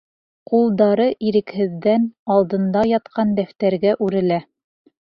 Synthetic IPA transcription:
qulˠd̪ɑɾɤʔiɾɘ̆khɘ̆ðːænɑlˠd̪ɤ̆nd̪ɑjɑt̪qɑnd̪æft̪æɾɡæʔʉɾɘ̆læ

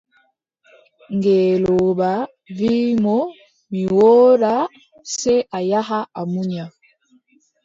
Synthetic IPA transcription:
ŋɡɛːlɔba | vimɔ | miwɔːɾa | sɛʔajaɦaamuɲa

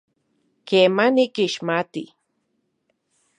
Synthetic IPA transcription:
keːmanikiʃmat̪i

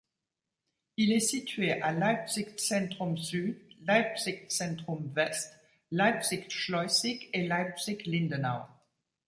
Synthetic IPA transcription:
ilɛsit̪ɥeʔalapsiksɛ̃t̪χɔmsyd̪lapsik̚sɛ̃t̪χɔmvɛst̪ | lapsikʃlɔsikelajpsiklĩnd̪ɔnaw

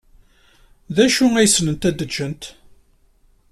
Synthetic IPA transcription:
ðæʃuæjəsnənt̪æd̪ːəd͡ʒʒənt̪

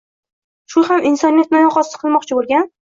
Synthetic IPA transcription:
ʃʊhamʔɪnsɒnijat̪nɪjɒqɒsqʰɨlˠmɒqt͡ʃʰɪbolˠɡʲan

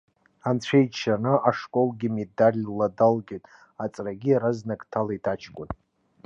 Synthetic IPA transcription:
ant͡ɕʷʰejt͡ʃʃanɨʔaʂkʼolɡʲimedalʲladalɡʲetʼ | at͡sʼraɡʲiɾaznakʼtʰalaitʰat͡ʃʰkʷʼʊn

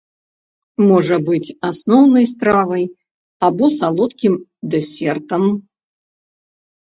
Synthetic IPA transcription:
mɔʐɐbɨt͡sʲasnɔwnɐjst̪ɾavɐj | abɔsalˠɔt̪kʲimd̪ɛsʲɛrt̪ɐm

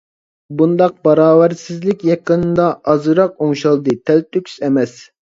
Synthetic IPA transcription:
bund̪ɑq̚bɑɾɑːwæɾsɪzlɪkʲjɑqənɨd̪ɑʔɑzɨɾɑqoŋʃɑlˠd̪ɨt̪ʰɛlt̪ʰːøkʲʰy̥zɛmɛs

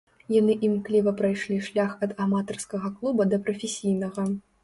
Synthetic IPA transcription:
janɨʔimklʲivɐpɾajʂlʲiʂlʲaxɐd̪amat̪ɐrskɐɣɐklˠubɐd̪ɐpɾɐfʲesʲijnɐɣɐ

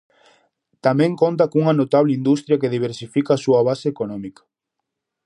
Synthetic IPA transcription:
t̪amɛ̃ŋkont̪̬ɐkuŋɐnot̪aβ̞leind̪ust̪ɾjɐkeðiβ̞eɾsifikaːsuɐβaseːkonɔmikɐ̥

